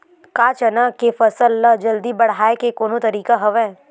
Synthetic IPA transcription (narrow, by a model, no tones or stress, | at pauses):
kaːt͡ʃɐnakefɐsəlːɐd͡ʒɐld̪ibɐɽ̤aːekekoːnõt̪ɐɾiːkaɦɐʋɛː